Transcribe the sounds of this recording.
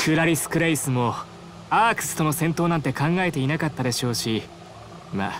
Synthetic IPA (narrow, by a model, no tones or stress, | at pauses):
kʰɯ̟ɾaɾʲisɨ̥kɯ̟ɾaisɨmo̞ | aːkɯ̥sɨ̥t̪o̞no̞sẽ̞nt̪o̞ːnãnt̪e̞kãŋɡae̞t̪e̞inakat̪ːad̪e̞ɕo̞ːɕi | ma̰